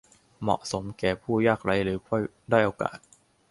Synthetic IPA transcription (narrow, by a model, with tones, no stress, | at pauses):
mɔ̰˨˩ʔso˩˦mkɛː˨˩pʰuː˥˩jaː˥˩k̚ɾa˧˥jɾɯː˩˦kʰɔ˥˩j | daː˥˩jʔoː˧ka̰ː˨˩t̪̚